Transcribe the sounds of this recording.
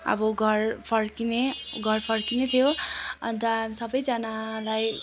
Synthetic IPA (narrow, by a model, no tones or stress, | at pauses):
ʌ̰bʌɡʱʌrpʰʌrkineɡʱʌrpʰʌrkinet̪ʰijoʌ̰nt̪ʌamisʌbʌjd͡zanalaj